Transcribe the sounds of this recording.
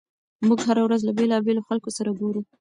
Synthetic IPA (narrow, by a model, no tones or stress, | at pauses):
muɡɦaɾawɾazlabelɑbeloxalkosaɾaɡoɾu